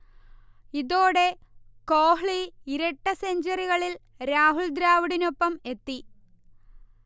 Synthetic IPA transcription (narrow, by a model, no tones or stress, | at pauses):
iðo̞ːɽekoːɦɭiiɾɐʈːɐseɲd͡ʑɐɾiɣɐɭil | ɾaːɦuɭd̪ɾaːʋiɽino̞pːɐme̞t̪ːi